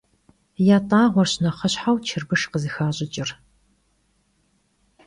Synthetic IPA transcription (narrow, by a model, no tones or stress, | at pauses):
jaːtʼaːʁʷɔrɕnɐχɐɕħawt͡ʃʰɪrbɨʂqəzɨxaːɕʼɪt͡ʃʼɪr